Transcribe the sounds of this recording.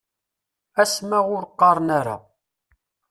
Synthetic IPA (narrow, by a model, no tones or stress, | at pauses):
æsmæʁʊɾqːɑɾˤnaɾa̰